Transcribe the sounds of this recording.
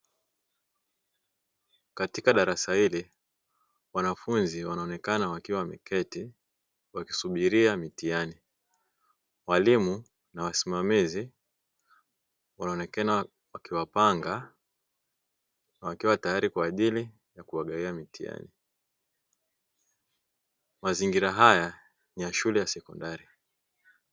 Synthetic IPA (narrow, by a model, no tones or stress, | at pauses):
katikaɗaɾasahili | wanafunziwanaɔnɛkanawakiwamḭkɛti | waki̥suɓiɾiamitiani | walimu | nawasimamizi | wanaɔnɛkana | wakiwapaŋɡa | nawakiwatajaɾikwaːʄili | jakuaɠaiamitia̰ni | maziŋɡiɾaɦaja | nijaʃulɛjasɛkɔndaɾi